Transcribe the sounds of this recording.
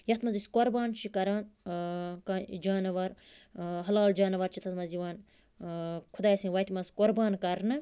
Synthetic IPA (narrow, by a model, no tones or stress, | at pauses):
jɐt̪mɐziskoɾbaːnt͡ʃʰikɐɾaːn | kad͡ʒaːnɐʋɐɾɦɐlaːld͡ʒaːnɐʋɐɾt͡ʃʰit̪ʰɐt̪mɐziʋaːn | kʰud̪aːjsĩʋɐjt̪imɐzkoɾbaːnkɐɾnɨ